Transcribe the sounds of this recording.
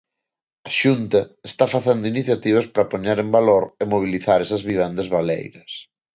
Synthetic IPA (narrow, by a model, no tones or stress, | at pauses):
ɐʃunt̪ɐest̪afaθend̪ʊiniθjat̪iβ̞ɐspɾɐpoɲaɾembaloɾɪmoβ̞iliθaɾɛsɐzβiβ̞end̪ɐzβalḛjɾɐs